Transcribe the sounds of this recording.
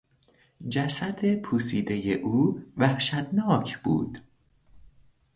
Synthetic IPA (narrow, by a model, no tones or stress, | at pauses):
d͡ʒæsæd̪e̞pʰuːsiːd̪ejeʔuːvæhʃæt̪nɒːcʰb̥ṵːd̪̥